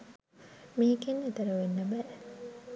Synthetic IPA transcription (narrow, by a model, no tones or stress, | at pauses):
miːkenːet̪ɐɾɐʋenːəbɛ